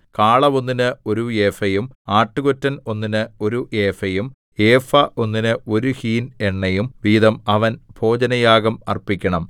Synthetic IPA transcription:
kaːɭɐʋo̞nːinɨo̞ɾueːfɐjumaːʈːuɣotːɐno̞nːinɨo̞ɾuʔe̞ːfɐjum | eːfɐʔo̞nːinɨo̞ɾuhiːne̞ɳːɐjumʋiːðɐmɐʋɐnb̥ʱo̞ːd͡ʑɐnɐjaːɣɐmɐ̰rpikʲːɐɳɐm

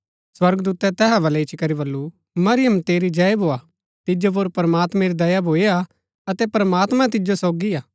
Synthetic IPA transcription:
swɐɾɡd̪uːt̪ɛt̪ɛːɦabɐlɛit͡ʃikɐɾibɐlːu | mɐɾɪjəmt̪eːɾid͡ʒɐjbʱoːa | t̪ɪd͡ʒop̬oːɾpɐɾɐmaːt̪mɛ̃ɾid̪ɐjabʱoːea | ɐt̪ɛpɐɾɐmaːt̪mãt̪̬ɪd͡ʒosoːɡiaː

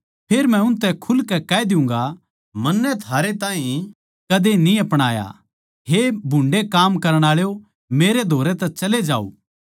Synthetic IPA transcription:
pʰeːɾmɛ̃ʊnt̪ɛ̃kʰʊlkɛkɛd̪ɪʊ̃ŋ̆ɡa | mɐnːɛt̪ʰaːɾet̪aːĩ | kɐd̪enĩɐpɽ̃aːja̰ | ɦebʱʊ̃ɳɖekaːmkɐɾəɽ̃aːɭjo | meːɾed̪ʱoːɾet̪ɛt͡ʃɐled͡ʒa̰ːṵː

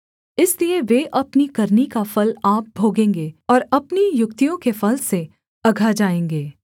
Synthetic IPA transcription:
ɪslieʋeʔɐpnikɐɾnikafɐlaːp̚bʱoːɡẽːŋɡeːɔːɾɐpnijʊkt̪ijõkefɐlse | ɐɡʱad͡ʒaːẽːŋɡeː

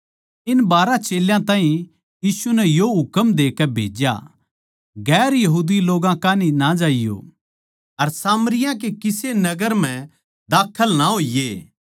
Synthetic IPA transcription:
ɪnbaːɾãt͡ʃeːljãt̪ãːɦĩ | jiːsunɛjoɦʊkəmd̪eːkɛbʱḛːd͡ʒja̰ | ɡɛːɾjɐɦuːd̪iloːɡãkaːninad͡ʒaːɪjo̰ | ɐɾsaːməɾɪjãk̬ekɪsenɐɡəɾm̤ɛ̃ | d̪aːkʰəlnaɦoːijeː

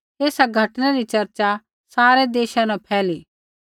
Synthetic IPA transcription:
t̪eːsaɡʱɐʈnaɾit͡ʃɐɾt͡ʃa | saːɾed̪eːʃanãpʰɛːliː

